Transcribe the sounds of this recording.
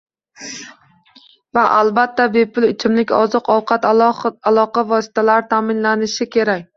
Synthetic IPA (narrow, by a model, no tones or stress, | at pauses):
vaʔalbat̪ʰːabepʰʊlɪt͡ʃʰɪmlɪkʲɒzɨqʰɒwqʰɑt̪alˠɒqʰɑvɒsɪ̥t̪ʰalaɾɪt̪ʰaːmɪnlanɪʃɪkʲʰe̞ɾak̚ʲ